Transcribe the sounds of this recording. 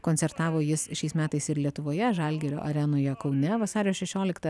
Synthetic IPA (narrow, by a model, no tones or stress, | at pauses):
koːnʲsʲɛɾt̪ɑːʋoːjɪsʃʲɛɪsmʲæːt̪ɐɪsɪɾlʲiɛt̪ʊʋoːjɛʒɐlʲɡʲeːɾʲo̰ːʔɐɾʲɛnoːjɛkɐʊnʲɛʋɐsɑːɾʲɪjoːsʃʲɛʃʲoːlʲɪkt̪ɐ